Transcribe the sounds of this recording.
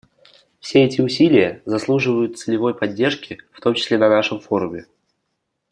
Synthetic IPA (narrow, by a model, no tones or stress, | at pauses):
fsʲeɛtʲɪʊsʲilʲɪjəzɐslˠuʐɨvəjʊt̪t̪sɨlʲɪvo̞jpɐdʲːe̞rʂkʲɪft̪o̞mt͡ɕɪ̥sʲlʲenɐnaʂɨmfo̞ɾʊmʲɪ